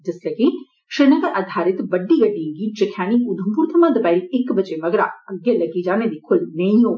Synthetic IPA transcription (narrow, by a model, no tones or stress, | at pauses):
d͡ʒɐslɐɡi | ʃɪnɐk̪ʔɐd̪ʱaːɾɪt̪bɐɖːiɡɐɖiŋɡit͡ʃɐkʰjaːñikud̪ʱɐmpuːɾt̪ʰɐmãd̪ɐbaːliɪkbɐt͡ʃemɐɡɾa̰ɐɡjelɐɡid͡ʒaːned̪ikʰʊlnɐĩɦoː